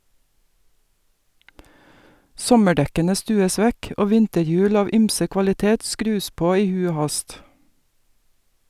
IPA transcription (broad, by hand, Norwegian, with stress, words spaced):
ˈsɔməˌɖɛkənə ˈstʉːəs ˈʋɛk ˈoː ˈʋɪntəˌjʉːl ˈɑːʋ ˈyːmsə kʋɑlɪˈteːt ˈskɾʉːs ˈpoː ˈiː ˈhʉ ˈoː ˈhɑst